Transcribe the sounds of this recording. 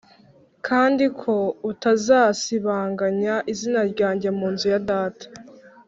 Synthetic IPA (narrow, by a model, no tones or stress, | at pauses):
kʰaːndikʰo̞utazaːsiβaːŋɡaɲaʔizinaɾɟaːɲɟe̞muːnzujadaːtḁ